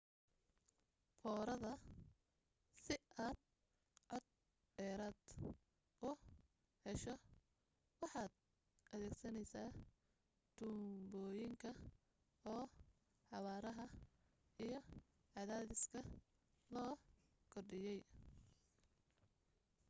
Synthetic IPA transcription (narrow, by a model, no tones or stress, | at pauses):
fɔːɾɐðɐ | sɪaːd̪̚ | ʕɔd̪̚ | ɖɛːɾaːd̪ | ʔʊ | hɛʃɔ | wɑħɑːd̪̚ | ʔɐðɛːɡsɐnɛjsaː | t̪ʊmbɔːjɪŋkʰɐ | ɔː | ħɑwaːɾɐɦɐ | ijɞ | ʕɑðaːðɪskʰɐ | lɔː | kʰɔrɖɪjɛj